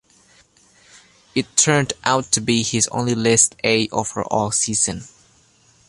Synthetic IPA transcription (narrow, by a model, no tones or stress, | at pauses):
ɪtʰːɜ̃˞ndʔaʊtʰːɨbihɪzõ̰ʊ̃nlilɛsteɪʔo̰və̰˞ʔɔlˠsiz̥ɨ̃n